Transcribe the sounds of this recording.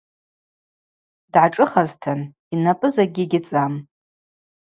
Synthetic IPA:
dʕaʈ͡ʂʼɨχaztʰan | inapʼɨzaɡʲɪɡʲɪt͡sʼam

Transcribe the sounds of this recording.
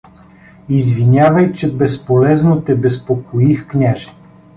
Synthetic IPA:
izvinʲavəjt͡ʃɛbɛspolɛznot̪ɛbɛspokoixknʲaʒɛ̥

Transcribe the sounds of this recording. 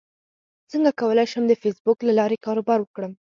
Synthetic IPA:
səŋɡakawəlajʃəmd̪əfesbʊklalɑɾekɑɾobɑɾwəkɽəm

